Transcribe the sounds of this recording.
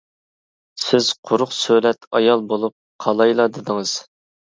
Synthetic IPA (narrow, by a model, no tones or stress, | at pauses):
sɪz̥qʰʊɾʊqsølɛt̪ɑjɑlˠbolˠup̚qʰɑlˠɑjlˠɑd̪ɪd̪ɪŋɨz̥